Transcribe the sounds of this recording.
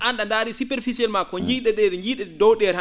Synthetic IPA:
anɗandaːɾisupɛɾfisiɛlmakɔɲd͡ʒiɗɛɗɛɗɲɡiːɗɛdɔwɗɛɾha

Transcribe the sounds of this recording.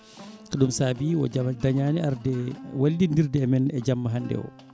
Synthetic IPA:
kɔɗumsaːbiwɔ̰amdaɲaːniaɾdɛwaldindiɾdɛmɛnɛd͡ʒamːaɦandɛ̰wɔ̰

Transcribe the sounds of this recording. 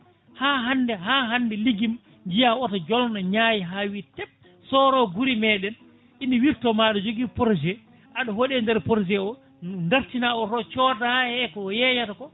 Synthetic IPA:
haɦandɛɦaːɦandɛliɡim | ɲd͡ʒijaɔtad͡ʒɔlnaɲaːjiɦawitɛp̚ | sɔːɾɔɡuɾimɛːɗɛn | ʔiniwiɾtɔmaɗɔd͡ʒoɡipɔɾd͡ʒɛ | ʔaɗɔhoɗɛndɛɾpɔɾd͡ʒɛɔ | ndaɾtinaɔɾɔt͡ʃɔːdaahɛkɔjɛjatakɔ

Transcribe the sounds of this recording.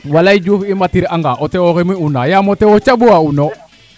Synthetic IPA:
walaid͡ʒufimatiɾaŋɡaʔotɛoɣemiunajamotɛwot͡ʃabuauno

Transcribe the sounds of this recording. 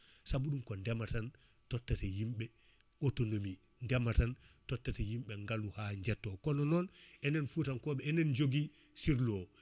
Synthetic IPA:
sabuɗumkɔndɛmatan | tɔtːatejimɓɛ | kotonomi | ndɛmatantɔtːatejimɓɛŋɡaluhaɲd͡ʒɛtːokɔnɔnɔnɛnɛnfutankɔːɓɛɛnɛnd͡ʒoɡi | siɾlo

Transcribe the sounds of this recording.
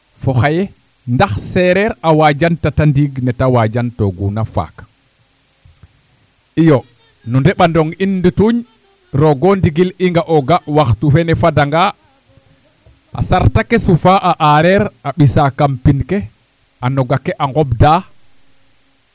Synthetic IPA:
fɔxajɛ | ndaxsɛɾɛɾawad͡ʒantatandiɡnɛtawad͡ʒantɔɡunafa̰k | ʔijɔ | nundɛɓandɔŋinːdituɲ | ɾɔɡɔndiɡiliŋɡaʔɔɡaʔwaxtufɛnɛfadaŋɡa | ʔa̰saɾtakɛsufaʔaʔaɾɛɾaɓisakampinkɛ | ʔanɔɡakɛʔaŋɡɔbda

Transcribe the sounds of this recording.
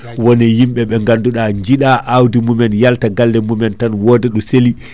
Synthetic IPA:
wɔnɛjimɓɛɓɛŋɡanduɗaɲd͡ʒiɗaʔawdimumɛnjaltaɡalːɛmumɛntanwɔːdɛɗɔseli

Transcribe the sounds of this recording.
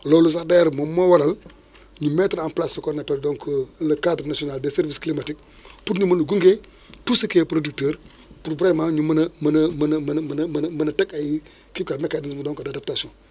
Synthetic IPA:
lolus̬adajɾmomːowaɾal | ɲumetɾamplasokonapɛldoŋkʰolkadɾnasionalbeseɾvisklimatik̚ | putɲumɐnəɡuŋɡe | tusəkeːpɾodik̚teːɾ | puɾbɾamaŋɲumɐnɐmɐnɐmɐnmnmnmɐnmɐnɐtakaji | kikamekanismudoːŋkadadap̚tasiõn

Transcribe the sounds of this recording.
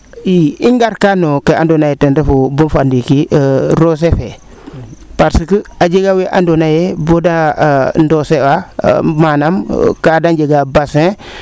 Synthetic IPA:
jiiŋɡaɾkanokeandonajetendefubunfandikiɾos̬efe | paɾsikəad͡ʒiɡaweʔa̰ndonajebodandosewa̰manamkadanɟeɡabasẽ

